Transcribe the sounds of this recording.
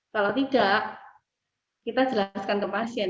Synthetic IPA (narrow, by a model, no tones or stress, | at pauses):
kalot̪id̥aʔ | kit̪ad͡ʒəlaskankəpasia